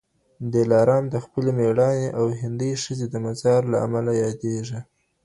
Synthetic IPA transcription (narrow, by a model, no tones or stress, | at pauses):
d̪elɑɾɑmd̪əxpəlemeɽɑneʔawɦɪnd̪əjʂəzed̪əmazɑɾlaa̰malajɑd̪eʒi